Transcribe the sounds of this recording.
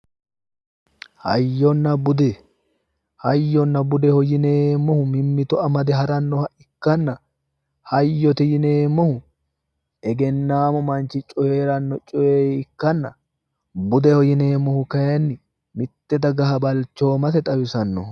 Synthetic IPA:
hɐ̰jːɔnːɐbʊd̪ɛ | hɐjːɔnːɐbʊd̪ɛhɔjɪneːmːɔhʊmɪmːɪt̪ɔɐmɐd̪ɛɦɐɾɐnːɔhɐʔɪkːɐnːɐ | hɐjːɔt̪ɪjɪneːmːɔhʊ | ɛɡɛnːaːmʊmɐnt͡ʃːɪt͡ʃʼɔjeːɾɐnːɔt͡ʃʼɔjeɪkːɐnːɐ | bʊd̪ɛhɔjɪne̞ːmːɔhʊkɐjɛnːɪ | mɪt̪ːɛd̪ɐɡɐɦɐbɐlt͡ʃːo̞ːmɐt̪ɛt̪ʼɐwɪsɐnːɔ̰h

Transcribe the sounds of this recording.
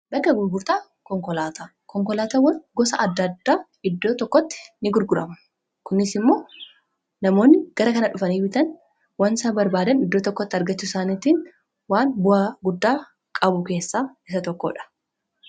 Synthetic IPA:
bɐkːɐɡʊɾɡʊɾt̪aː | kɔŋkɔlaːt̪a | kɔŋkɔlaːt̪ɐwɐnɡɔsɐʔɐd̪ːɐd̪ːaː | ɪd̪ːo̞ːt̪ɔkːɔt̪ːɪ̥nɪɡʊɾɡʊɾɐ̰mʊ̥ | kʊnːɪsɪmːo̞ː | nɐmo̞ːnːɪɡ̥ɐɾɐkɐnɐᶑʊfɐniːfɪt̪ɐn | wɐnsaːbɐɾbaːd̪ɐnɪd̪ːoːt̪ɔkːɔt̪ːɪɐɾɡɐt͡ʃːusaːniːt̪iːn | waːnbʊaːɡʊd̪ːaː | kʼɐbʊke̞ːsːaːɪs̬ɐt̪ɔkːo̰ᶑɐ̥

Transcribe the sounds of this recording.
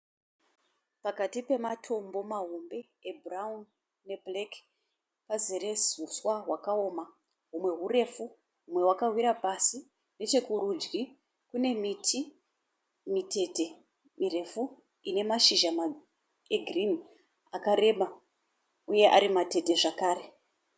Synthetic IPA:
pakatipe̞matʰo̞mbo̞maɦombe̞ | ebʱraɦum | ne̞blek | paziɾe̞suswaɦwakao̞ːma | ɦumwe̞ɦure̞fu | ɦumwe̞wakarwiɾapasi | ne̞t͡ʃe̞kuɾud͡ʒɡi | kune̞mitʰi | mite̞te̞ | mire̞fu | ine̞maʃiʒama | eɡʱrin | akaɾe̞ɓa | uje̞ʔa̰ɾimate̞te̞ʐakaːre̞

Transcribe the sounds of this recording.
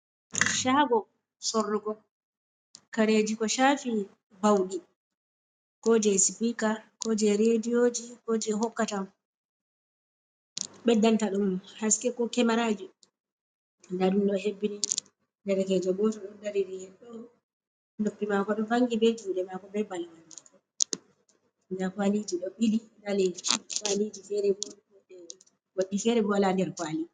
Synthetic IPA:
ʃaɡɔ | sɔrːuɡɔ | kaɾed͡ʒikɔʃafi | bawɗi | kɔd͡ʒɛsipikakɔd͡ʒɛɾedijod͡ʒikɔd͡ʒɛɦɔkːatam | ɓɛdantaɗumhaskɛkɔkɛmaɾad͡ʒi | ndaɗumɗɔhebːini | ndɛɾkɛd͡ʒɔɡɔtɔɗɔndaɾiɾihɛnɗɔ | nopːimakɔɗɔvaŋɡibɛd͡ʒuːɗɛmakɔbɛbalwanakɔ | ndakwalid͡ʒiɗɔɓilidalɛkwalid͡ʒifɛɾɛbɔ | ɗɛ | waɗːifɛɾɛbɔwalandɛɾkwali

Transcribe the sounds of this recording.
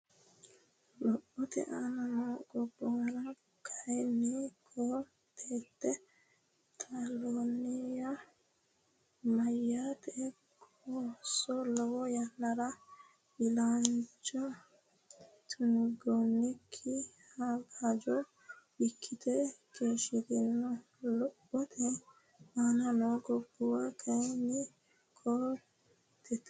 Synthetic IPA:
lɔɓːɔtɛ̰ʔananɔɡɔbɔɾa | kʰajnikʰɔ | tʰɛtːɛ | tʰalonija | majatʰɛkʰ | ɔsɔlɔwɔjanːaɾa | bɪlant͡ʃɔ | t̪ʰʊŋɡonːɪkʰːɪ | haɡad͡ʒɔ | bɪkʰːɪt̪ʰɛkʰeːʃɪd̪ɪnːɔ | lɔbːɔt̪ʰɛ | anɐnoɡɔbːʊwakʰɐjnɪ | kʰɔ | t̪ɛt̪

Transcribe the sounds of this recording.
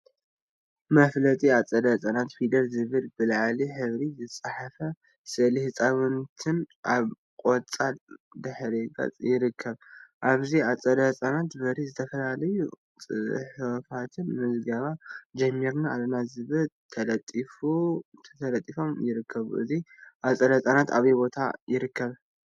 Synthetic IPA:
mɐflɐt̪ʼiat͡sʼɐd̪ɐt͡sʼanat̪fid̪ɐlzɨβɨlbɨlʕaliħɨβɾizɨt͡sʼaħafɐ | sɨlihɨt͡sʼaβɨnt̪ʰɨnʔaβ | kʼot͡sʼald̪ɨħɾiɡʼɐ̰t͡sʼjɪɾɨkʰːɐβʔaβziat͡sʼɐd̪ɐt͡sʼanat̪bɐɾizɨt̪ʰɐfɐlalɐju | t͡sʼɨħfat̪ʰɨnmɨzɡɐβad͡ʒɐmːiɾnaalɐnazɨβɨlt̪ʰɐlɐt̪ʼifut̪ʰɐt̪ʰɐlɐt̪ʼːifo̞mjɪɾɨkʰːɐβṵʔɨ̰ziʔat͡sʼɐd̪ɐt͡sʼanat̪aβijbo̞t̪ʰa̰jɪɾɨkːɐβ

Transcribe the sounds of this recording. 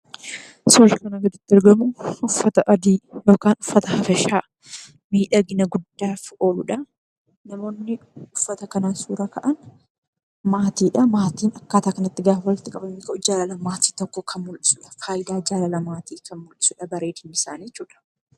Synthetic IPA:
soːʃɪkɐnɐɡɐd̪ɪt̪ːɐɾɡɐmʊʔʊfːɐt̪ɐʔɐd̪iːjo̞ːkaːnʊfːɐt̪ɐhɐfɐʃaː | miːᶑɐɡɪnɐɡʊd̪ːaːfo̞ːlʊᶑɐ | nɐmo̞ːnːɪʊfːɐt̪ɐkɐnaːsuːɾɐkɐʔɐn | maːt̪iːᶑɐmaːt̪iːnɐkːaːt̪aːkɐnɐt̪ːɪɡaːfwɐlɪt̪ɪkʼɐbɐmeːkɐʔʊd͡ʒaːlɐlɐmaːt̪i̥ːt̪ɔkːɔkʰɐnmʊlʔɪ̥sʊᶑɐ̥faːjd̪aːd͡ʒaːlɐlɐmaːt̪iːkʰɐnmʊlʔɪsʊᶑɐbɐɾeːd̪ɪnːɪsaːnjɛt͡ʃːuːᶑɐ̥

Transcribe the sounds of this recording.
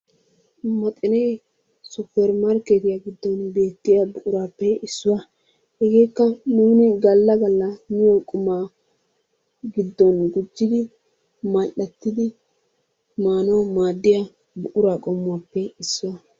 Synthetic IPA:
mɐt̪ʼɪnɛj | sʊpːɛɾmaɾket̪ɪjaɡɪd̪ːɔnbe̞ːt̪ːɪjabʊʔʊɾaːpːɛɪsːʊwɐ | hɛɡeːkːɐnuːnɪɡɐlːɐɡɐlːɐmɪjɔkʼʊmaː | ɡɪd̪ːɔnɡʊd͡ʒːɪd̪ɪ | maʔɐt̪ːɪd̪ɪ | maːnɔmaːd̪ːɪja | bʊʔʊɾaːkʼɔmːʊwaːpːɛɪsːʊwɐ

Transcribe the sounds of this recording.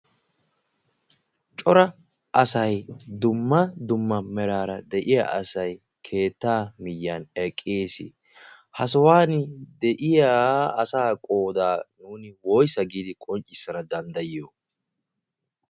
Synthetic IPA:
t͡ʃʼɔɾɐ | ʔɐsɐjd̪ʊmːɐd̪ʊmːɐmɛɾaːɾɐd̪ɛʔɪja̰ːʔɐsɐj | kʰe̞ːt̪ːaːmɪjːanɛkʼːeːsɪ̰ | hɐsɔwaːnɪd̪ɛʔɪjaːɐsaːkʼo̞ːd̪aːnuːnɪwoːjsɐɡiːd̪ɪkʼɔnt͡ʃʼːɪsːɐnɐd̪ɐnd̪ɐjɪjoː

